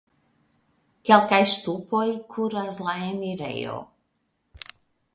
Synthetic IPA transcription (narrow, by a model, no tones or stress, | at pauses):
kɛlˠkajʃt̪upoikʰuɾazlˠaɛmiɾɛ̰jo̰